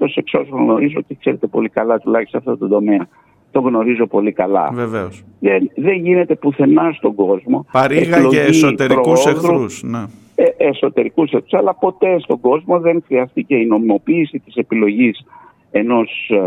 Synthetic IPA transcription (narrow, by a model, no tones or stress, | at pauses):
t̪o̞se̞kso̞soɣno̞ɾizo̞ce̞kse̞ɾe̞t̪e̞po̞likɐlɐt̪ulɐçist̪oɐft̪o̞t̪ond̪o̞me̞ɐ | t̪o̞ɣno̞ɾizo̞po̞likɐlɐ̰veveosðenðe̞ɲʝine̞t̪e̞puθe̞nɐst̪o̞ɡo̞zmo̞ɾeɣpilloit̪eɾpɾouseðɾuusne | eeso̞t̪e̞ɾikusekt̪usɐlɐpo̞t̪e̞st̪o̞ɡo̞zmo̞ðe̞ŋxɾiɐst̪ice̞ino̞mimo̞piːsit̪i̥se̞pilo̞ʝis | e̞no̞s